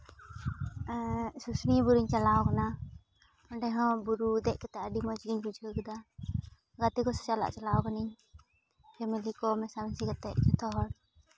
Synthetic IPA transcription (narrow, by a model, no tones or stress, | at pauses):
susnibuɾiɲt͡ʃalaɔkana | ɔɳɖɛɦɔ̃buɾud̪ɛʔkɛt̪ɛaɖimɔd͡ʒɡiɲbud͡ʒʱəkd̪a | ɡat̪ikɔsɛ̥t͡ʃala̰ʔt͡ʃalawɔkaniɲ | d͡ʒɛmɛlikɔmɛsamsikat̪ɛʔt͡ʃɔt̪ʰɔɦɔɽ